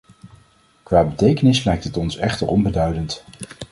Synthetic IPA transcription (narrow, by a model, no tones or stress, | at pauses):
kʋaːbətejkənɪslɛjk̚tətɔnsɛχtə̰ɹʔɔnbədœɥdənt